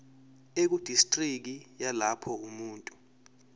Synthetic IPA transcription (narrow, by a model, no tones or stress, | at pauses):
ek̬ud̥ʱistʼrik̬ijalapʰɔumuːntʼu